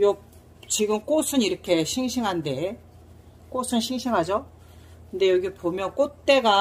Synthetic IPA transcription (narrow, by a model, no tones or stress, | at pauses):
jo | t͡ɕiɡɯmk͈osʰɯniɾʌkʰe̞ɕʰiŋɕʰiŋɦande̞ | k͈osʰɯnɕʰiŋɕʰiŋɦad͡ʑo | kɯnde̞jʌɡipomjʌnk͈ot̚t͈e̞ɡa